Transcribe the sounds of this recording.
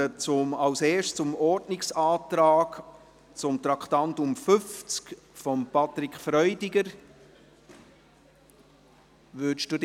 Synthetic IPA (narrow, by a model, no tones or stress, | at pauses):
ət͡sʊmɑwseːʃt͡sʊmɔɾdnɪksɑːt̪ɾɑːk | t͡sʊmt̪ɾɑkχt̪ɑntʊmfʏft͡sk | fɔmpɑt̪ɾɪkfɾœʏdɪɡəɾ | ʋʏʃd̥ud